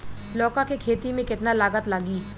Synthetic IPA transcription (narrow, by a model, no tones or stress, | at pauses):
lɔːkakekʰeːt̪imẽkɪt̪nalaːɡət̪laɡiː